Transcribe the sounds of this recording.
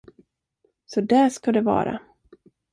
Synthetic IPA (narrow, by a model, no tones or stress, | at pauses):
sɔd̪ɛʂkad̪ɛvɑ̰ːɾa̰